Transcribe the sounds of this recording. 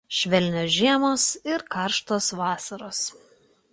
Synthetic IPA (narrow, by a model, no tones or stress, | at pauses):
ʃʲʋʲɛlʲnʲoːʒʲiɛmoːsɪɾkɑˑɾʃt̪oːsʋɑːsɐɾoːs